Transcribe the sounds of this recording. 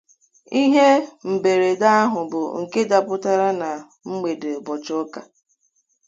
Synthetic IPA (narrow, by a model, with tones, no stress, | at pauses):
i˦ɦe˦m̩˨be˨ɾe˨da˦a˦ɦʊ˨bʊ˨ŋ̩˨ke˦da˨pʊ˦ta˦ɾa˦na˨ | ŋ͡m̩˦me˨de˨bɔ˨t͡ʃʊ˦ka˨